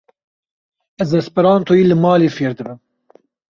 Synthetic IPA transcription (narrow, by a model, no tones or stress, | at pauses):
ɛzd̪ɛspɨɾɑːnt̪ʰoːjiːlɨmɑːleːfeːɾd̪ɨbɨm